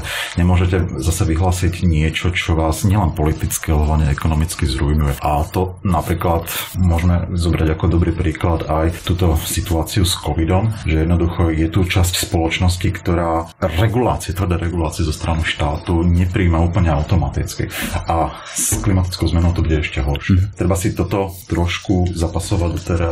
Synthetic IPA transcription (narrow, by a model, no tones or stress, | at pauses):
ɲɛmʊɔʒɛcɛzasɛʋiɦlaːsiɟɲɪɛt͡ʃɔt͡ʃɔʋaːzɲɪɛlɛnpɔlit̪it͡skiɦlaɲɛɛkɔnɔmit͡skizɾujnujɛʔat̪ɔnapɾiːklat̪mʊɔʒmɛzɔbɾaɟakɔd̪ɔbɾiːpɾiːklad̪ajt̪uːt̪ɔsit̪uaːt͡siuskɔʋid̪ɔmʒɛjɛd̪nɔd̪uxɔjɛt̪ut͡ʃascspɔlɔt͡ʃnɔscikt̪ɔɾaːɾɛɡula̰ːt͡siɛt̪ʋər̩d̪ɛɾɛɡulaːt͡siɛzɔst̪ɾaniʃt̪aːt̪uɲɛpɾiːmauːpl̩ɲɛaʊt̪ɔmat̪ḭt͡skḭʔa | sklimat̪i̥t͡skɔʊzmɛnɔʊt̪ɔbuɟɛɛʃcɛɦɔɾʃɪɛt̪ɾɛbasit̪ɔt̪ɔt̪ɾɔʃkuzapasɔʋaɟd̪ɔt̪ɛɾa